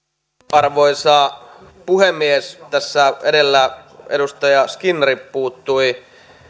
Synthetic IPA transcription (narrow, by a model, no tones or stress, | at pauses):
ɑrʋoisɑː | puhemːiest̪æsːæedelːæḛɾust̪ɑjɑskinrippuːt̪ːui